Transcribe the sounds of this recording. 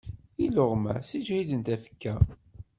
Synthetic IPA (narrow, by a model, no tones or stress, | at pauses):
iloʁmæ̰sid͡ʒidənt̪æfə̥kːæ